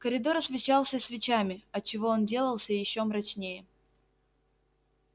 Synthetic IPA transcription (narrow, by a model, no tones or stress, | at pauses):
kəɾʲɪd̪o̞ɾɐsvʲɪt͡ɕalˠsʲəsʲvʲɪt͡ɕamʲɪɐt͡ɕːɪvo̞ondʲe̞lˠəlˠsʲəjɪɕːo̞mɾɐt͡ɕnʲejə